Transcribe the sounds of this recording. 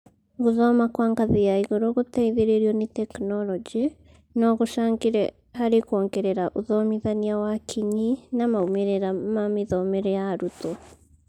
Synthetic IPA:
ɣuðɔmakwaːŋɡaðijaiɣoɾoɣutɛiðeɾeɾjɔnitɛknɔlɔd͡ʒi | nɔɣuʃaːŋɡiɾɛ | haɾikwɔːŋɡɛɾɛɾaʔuðɔmiðaniawakʰiɲinamaumeɾɛɾamamiðɔmɛɾɛjaɾutɔ

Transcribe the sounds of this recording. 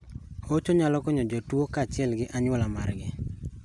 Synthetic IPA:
ot͡ʃoɲalɔkɔɲɔd͡ʒɔtwokaːt͡ʃɪɛlɡɪʔaɲwɔlamarɡɪ

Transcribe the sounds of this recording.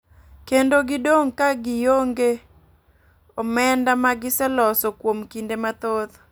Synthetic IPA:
kendoɡɪdoŋkaɡɪjoŋɡe | omɛndamaɡɪsɛlɔsɔkwomkindemat̪oð

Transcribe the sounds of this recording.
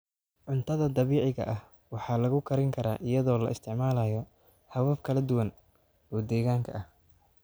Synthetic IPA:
ʕʊnt̪ʰɐðɐd̪ɑβiːʕɪɣɐ̰ʔɐh | wɑħɑːlɐɣʊkʰɐɾɪŋkʰɐɾa̰ːʔɪjɐðɔːlɐ̰ʔɪst̪ʰɪʕmaːlajɔ | hɐwɐfkʰɐlɐd̪ʊwɐn | ɔːd̪ɛːɣaːŋkʰɐ̰ʔɐh

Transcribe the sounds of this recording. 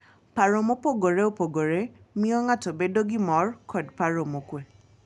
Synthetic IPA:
paɾomopoɡoɾeopoɡoɾe | mĩɔŋãtobedoɡimɔɾkʰɔdpaɾomokʷe

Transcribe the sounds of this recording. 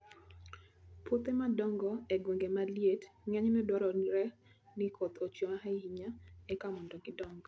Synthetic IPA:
pot̪emadɔŋɡɔɛɡweŋɡemaljetŋɛɲnɛdwɔɾɔnɾɛ | nɪkʰɔt̪ot͡ʃomaɦaɦiɲaɛkamɔndɔɡɪdɔŋɡɔ

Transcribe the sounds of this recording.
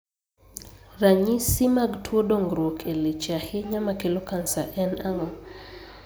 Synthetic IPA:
raɲisimaɡtʰwodoŋɡɾokʰelet͡ʃahɪɲamakelokansaʔɛnama

